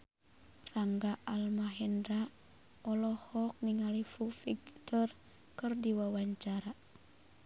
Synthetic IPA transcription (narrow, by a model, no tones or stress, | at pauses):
raŋɡaʔalmaɦɛndɾa | ɔlɔhɔk̚niŋalifufiɡt̪ɔr | kɨrdiwawaɲt͡ʃaɾa